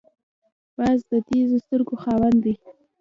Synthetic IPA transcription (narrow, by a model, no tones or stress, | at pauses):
b̥azd̪əd̪ezost̪əɾɡoxɑwand̪d̪i